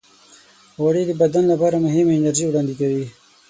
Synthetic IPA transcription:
waɽid̪əbad̪anlapɑːɾamʊɦɪmeɪnaɾʒiwɽɑːnd̪ikawi

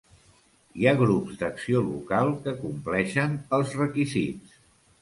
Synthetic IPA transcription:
iaɣɾupzd̪əksiolṵkalˠkəkumplɛʃənəlˠzrəkizit͡s

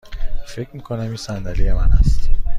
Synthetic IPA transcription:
fe̞cʰmikʰonæmiːnsænd̪ælijemænæ̰st̪

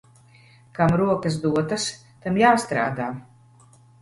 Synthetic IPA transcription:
kamɾuɔkɐsd̪uɔt̪ɐs | t̪amjaːst̪ɾa̰ːd̪aː

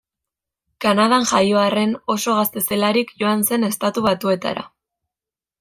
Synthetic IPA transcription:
kanað̞anʝajo̞are̞no̞so̞ɣ̞ast̪e̞se̞laɾikʝo̞anse̞ne̞st̪at̪uβat̪ue̞t̪a̰ɾa̰

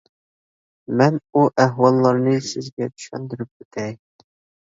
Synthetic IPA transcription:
mɛnuʔæɦwɑlˠːɑɾnɨsɪzɡʲɛd̪y̥ʃɛ̰nd̪yɾyp̚øt̪ʰɛj

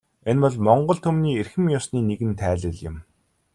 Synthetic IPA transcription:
enpɔɮmɔɴɢɞ̆ɮt̪ʰɵmniːerxɘ̆mjɔsniːneɣɘ̆nt̪ʰæːɮɘ̆ɮjɪ̰̆m

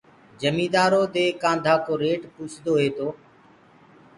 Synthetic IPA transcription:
d͡ʒəmiːd̪aːɾoːd̪eːkãːnd̪ʱaːkoːɾeːʈpuːt͡ʃʰd̪oːɦeːt̪oː

